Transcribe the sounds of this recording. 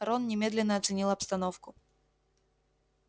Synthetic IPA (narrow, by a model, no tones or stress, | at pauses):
ɾɔnnʲɛmʲɛd̪lʲɛnːɐːt̪sɨnʲilˠɐpst̪anɔwkʊ